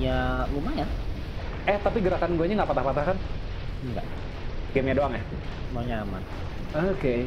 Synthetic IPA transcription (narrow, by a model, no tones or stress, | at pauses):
ɲalumaja | ɛht̪apiɡəɾakanɡuaɲaŋɡaʔpat̪ahpat̪ahkan | əŋɡa̰ʔ | ɡɛmɲadoaŋjah | loɲama̰n | oke